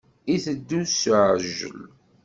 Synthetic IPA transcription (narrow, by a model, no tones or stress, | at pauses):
iθəd̪ːusʕʒə̰l